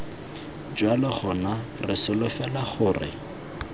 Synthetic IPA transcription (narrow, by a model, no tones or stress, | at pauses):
d͡ʒwalɪχɔnarɪsɪlʊfɛlaχʊːrɪ̰